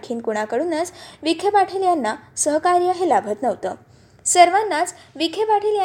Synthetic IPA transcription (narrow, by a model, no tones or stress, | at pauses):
kʰiːnkuɽ̃akəɽunat͡sʋikʰepaʈʰeljanːasəɦkaɾjəɦelabʱət̪nəʋt̪ə | səɾʋanːat͡sʋikʰepaʈʰelja